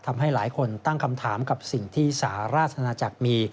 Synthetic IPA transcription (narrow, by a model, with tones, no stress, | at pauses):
t̪ʰa˧mɦa˥˩jlaː˩˦jkʰo˧nt̪a˥˩ŋkʰa˧mt̪ʰaː˩˦mka˨˩p̚si˨˩ŋt̪ʰiː˥˩saː˩˦ɾaː˥˩t̪̚ʰːa˧naː˧t͡ɕa˨˩k̚miː˧